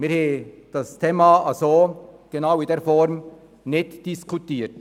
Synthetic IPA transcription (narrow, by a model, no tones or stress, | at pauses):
mɪɾhed̥astʰeːmaasoːɡ̥enaʊɪndeːɐfɔɾm | nɪtd̥ɪskʰutiːt